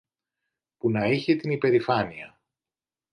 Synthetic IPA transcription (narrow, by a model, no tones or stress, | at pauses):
punɐiçe̞t̪inipe̞ɾifɐniɐ